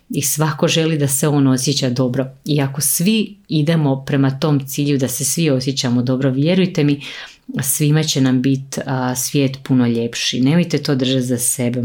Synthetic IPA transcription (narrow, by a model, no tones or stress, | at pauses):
isʋako̞ʒe̞lid̪aseo̞ːno̞sjet͡ɕad̪o̞bɾo̞iakosʋiid̪e̞mo̞pɾe̞mat̪o̞ːmt̪siːʎud̪ase̞sʋio̞s̬jet͡ɕamod̪o̞bɾoʋjeɾujt̪e̞mi | sʋimat͡ɕe̞nambit̪sʋje̞ːt̪puno̞ʎe̞pʃḭne̞mo̞jt̪e̞t̪oːd̪r̩ʒat̪zase̞be